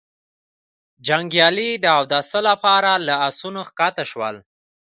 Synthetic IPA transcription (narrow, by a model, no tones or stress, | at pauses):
d͡ʒaŋɡjɑlid̪əawd̪asəlapɑɾalaasunoxkɑt̪aʃwə̰l